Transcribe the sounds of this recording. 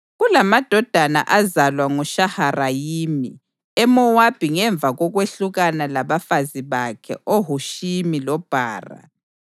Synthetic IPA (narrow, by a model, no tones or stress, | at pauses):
ɣulamad̥ʱɔd̥ʱana̰ʔazalwaŋɔʃaharajimi | ɛmɔwab̥ʱiŋɛɱb̪vʱaɣɔɣweɬuɣanalaβafaziβakʰɛ̰ʔoɦuʃimilɔb̥ʱa̰ːra̰